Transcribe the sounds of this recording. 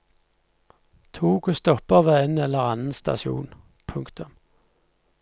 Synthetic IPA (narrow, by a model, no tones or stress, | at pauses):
t̪ʰuːkʰʊst̪ɔpəʋeːenɛlːəʁɑnn̩st̪ɑ̰sṵːn | pʰʉŋkt̪ʉm